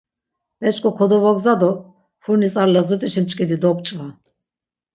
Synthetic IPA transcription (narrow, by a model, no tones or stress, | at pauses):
mɛt͡ʃʼkʼɔkʰɔd̪ɔvɔɡzad̪ɔ | fuɾnisʼaɾlazut̪ʼiʃimt͡ʃʼkʼid̪id̪ɔpʼt͡ʃʼvan